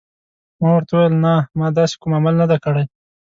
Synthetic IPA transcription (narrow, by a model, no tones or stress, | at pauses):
mɑwaɾt̪awwjlnamɑd̪ɑse̥kumamalnad̪akaɽaj